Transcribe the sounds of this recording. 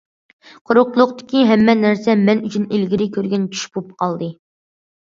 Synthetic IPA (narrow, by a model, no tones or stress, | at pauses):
qʰoɾʊqlˠʊqt̪ɪ̥kʲiɦɛmːɛnæɾsɛmɛnyt͡ʃʰinelɡʲiɾɪkʲʰøɾɡʲɛnt͡ʃʰy̥ʃbup̚qʰɑlˠd̪ɨ